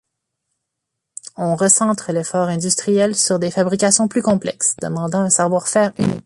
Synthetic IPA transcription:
ɔ̃ʁəsɑ̃t̪χəlɛfɔʁɛ̃d̪yst̪χijɛlsyʁd̪efabʁikʲasjɔ̃plykɔ̃plɛ̰ksd̪̥ə̰mɑ̃d̪ɑ̃ɛ̃sɛʁvwaʁfɛːʁy̰nḭk̚

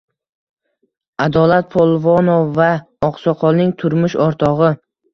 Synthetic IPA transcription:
ad̪ɒlat̪̚pʰolˠvonoːa | ɒqsɒqʰɒlˠnɪŋt̪ʰʊɾmʊʃɒɾt̪ʰɒʁɨ

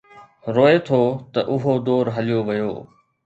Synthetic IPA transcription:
ɾoːet̪ʰot̪ɐʔʊɦod̪oːɾɦɐlijoʋɐjo̰ː

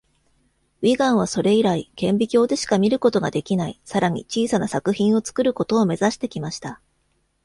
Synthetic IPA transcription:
iɡãɰ̃β̞aso̞ɾe̞iɾaikẽ̞mbʲikʲo̞ːd̪e̞ɕi̥kamʲiɾɯ̟ko̞t̪o̞ɡa̰d̪e̞kʲinaisaɾaɲ̟ḭt͡ɕiːsanasakɯ̟çĩɰ̃o̞t͡sɨ̥kɯɾɯ̟ko̞t̪o̞ːme̞zaɕi̥t̪e̞kʲimaɕi̥t̪a

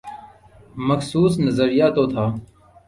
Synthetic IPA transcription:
məksuːsnəzəɾijaːt̪oːt̪ʰaː

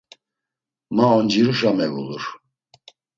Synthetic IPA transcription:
maɔnd͡ʒiɾuʃamɛvṵluɾ

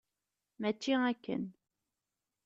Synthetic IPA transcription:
mæt͡ʃːiækːə̰n

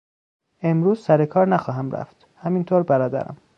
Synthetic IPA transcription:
e̞mɾuːzsæɾekʰɒːɾnæxɒːɦæmɾæ̰ft̪ | hæmint̪ʰoːɾbæɾɒːd̪æ̰ɾæ̰m

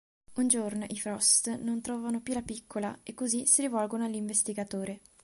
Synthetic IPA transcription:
und͡ʒornoʔifɾɔst̪nont̪ɾɔːvanopjulapikʰːolaekːozisiɾivɔlɡonoalːiɱvest̪iɡat̪oːɾe

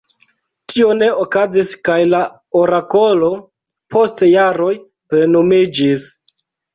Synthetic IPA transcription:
tʰio̞ne̞okaziskajla | o̞ɾako̞lo̞ | pʰo̞stjaɾo̞j | pɾe̞no̞mid͡ʒis

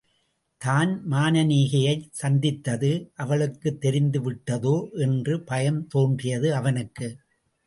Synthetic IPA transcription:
t̪aːnmaːnɐniːɣɐjɐɪsɐnd̪ɪt̪ːɐðɯʔɐʋɐɭɯkːɯt̪ːɛɾɪnd̪ɯʋɪʈːɐðoːʔɛndrɯpɐjɐmt̪oːndrɪjɐðɯɐʋɐnɯkːɯ

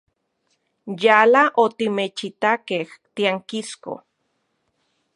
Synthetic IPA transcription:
jaːlaʔot̪imet͡ʃit̪akeht̪iaŋkisko̰

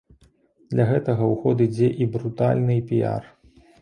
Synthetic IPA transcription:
d̪̥lʲɐɣɛt̪ɐɣɐwxɔd̪ɨd͡zʲeʔibɾut̪alʲnɨpʲija̰r

